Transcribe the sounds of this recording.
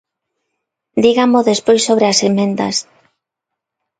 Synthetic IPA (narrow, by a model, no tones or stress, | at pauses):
d̪iɣamoðespojsoβ̞ɾeasemẽnd̪a̰s